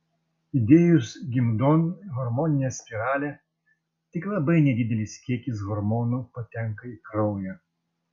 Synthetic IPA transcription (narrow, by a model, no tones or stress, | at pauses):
id̪ʲejusɡʲimd̪ɔnɣɔɾmɔnʲɪjɛsʲpʲiɾalʲɛ | t̪ʲɪklˠɐbɨjnʲɛd̪ʲid̪ʲɛlʲisʲkʲekʲizɣɔɾmɔnʊpɔt̪ʲɛŋkɐjkɾɔwjʲɛ